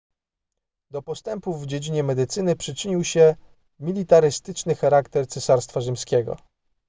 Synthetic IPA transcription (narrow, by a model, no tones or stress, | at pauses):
d̪ɔpɔst̪ɛmpuvːd͡ʑed͡ʑiɲɛmɛd̪ɘt̪sɘnɘpʂɘt͡ʂɘɲiwɕɛ | mʲilʲit̪aɾɘst̪ɘt͡ʂnɘxaɾakt̪ɛɾt̪sɛsaɾst̪faʐɘmskʲɛɡɔ̰